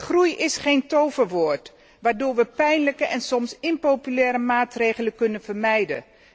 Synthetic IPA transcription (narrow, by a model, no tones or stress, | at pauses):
χrujɪsχejntowvəɹʋoːɹt | ʋaːɹdʊːɹʋəpɛjnləkəʔɛnsɔmsɪnpowpylɛːɾəmaːtrejχələkɵnənv̥əɹmɛjdə̰